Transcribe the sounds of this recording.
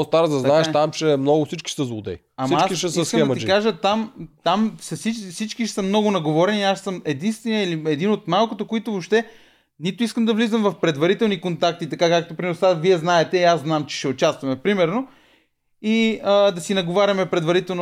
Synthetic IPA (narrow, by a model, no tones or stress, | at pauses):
ost̪aɾzd̪ɐzaɛʃt̪amt͡ʃɛmnɔɡʊfsit͡ʃki̥ʃsəzlˠʊd̪ɛ̰iamiɐaskiʃɛsəskɛd̪id͡ʒikaʒət̪amt̪amfsɐsit͡ʃfsit͡ʃkiʃsəmnɔɡʊnɐɡovɔɾɛnʲiaʃsəmɛd̪inst̪vɛniəiliɛd̪inot̪malˠkot̪okoit̪ovopʃt̪ɛ | nit̪ʊiskəmd̪ɐvlizəmvɐfpɾɛd̪vɐɾit̪ɛlˠnikont̪ak̚t̪it̪ɐkakak̚t̪opɾimɛɾnosaviɛznaɛt̪ɛiaszznamt͡ʃɛ̥ʃɛot͡ʃast̪vɐmɛpɾimɛɾno | iəd̪ɐsinɐɡovaɾʲɐmɛpɾɛd̪vɐɾit̪ɛlˠn